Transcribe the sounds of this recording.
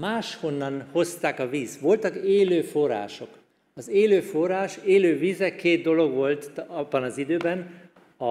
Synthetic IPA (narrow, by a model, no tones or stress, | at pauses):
maːʃho̞nːɒnho̞st̪aːkɒviːsʋo̞lt̪ɒkeːløːfo̞ra̰ːʃo̞k | ɒzeːløːforːaːʃeːløːviːzɛkeːd̪̚d̪o̞lo̞ɡʋo̞lt̪ɒbːɒnɒzid̪øːbɛn | ɒ